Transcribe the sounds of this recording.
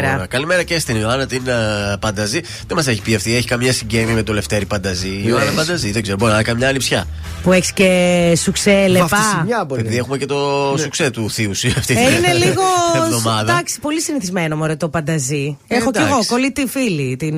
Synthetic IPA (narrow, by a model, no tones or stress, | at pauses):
ɾɐkɐlime̞ɾɐcest̪inioɐnɐt̪inpɐnd̪ɐzi | ðemɐseçi̥piɐft̪ieçi̥kɐmɲɐsiɲɟemimet̪o̞le̞ft̪eɾipɐnd̪ɐzioɐnɐpɐnd̪ɐziðeɡzeɾoboinɐnɐkɐnmɲɐːlipsçɐ | pue̞çiscesukselefɐɲɐpoepiðie̞xumecet̪o̞sukset̪uθiusiɐft̪iineliɣoðomɐðd̪ɐksi̥po̞lisiniθizmenomoɾet̪opɐnd̪ɐziexoeɣokolit̪ifilit̪in